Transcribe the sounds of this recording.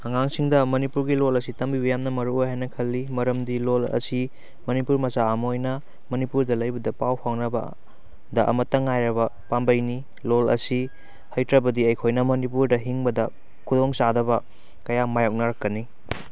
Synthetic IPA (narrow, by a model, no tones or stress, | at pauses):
hɐŋaŋsiŋdɐmɐnipuɾɡilolɐsitɐmbibɐjamnɐmɐɾuojɦhajnɐkʰɐlːimɐɾɐmdilolɐ̰si | mɐnipuɾmɐsaːmojnɐ | mɐnipuɾdɐlɐjbɐdɐpawpʰaŋnɐbɐ̰ | dɐʔɐ̰mɐtːɐŋajɾɐβɐpambɐjni | lolɐ̰si | hɐjtɾɐbɐdiɐjkʰojnɐmɐnipuɾdɐɦiŋbɐdɐ | kʰudoŋsadɐbɐ | kɐjamajok̚nɐɾɐkːɐni